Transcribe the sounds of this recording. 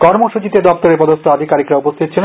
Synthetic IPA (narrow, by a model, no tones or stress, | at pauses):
kɔɾmoʃut͡ɕit̪ed̪ɔp̚t̪oɾepɔd̪ost̪ʰoad̪ʱikaɾikɾaupost̪ʰit̪ːɕʰen